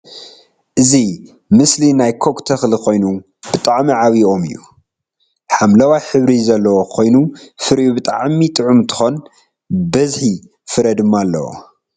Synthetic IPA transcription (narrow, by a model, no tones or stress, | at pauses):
ʔɨzi | mɨslinajkʰokt̪ʰɐxlkʰo̞jnu | bɨt̪ʼaʕmiʕaβiʔo̞mɨ̰jːṵ | ħamlɐwajħɨβɾizɐlːɐwokʰo̞jnufɨɾʔubɨt̪ʼa̰ʕmit̪ʼɨʕumt̪ʰɨ̥xo̞n | bɐzħi | fɨɾɐd̪ɨmːalːɐ̰wo̰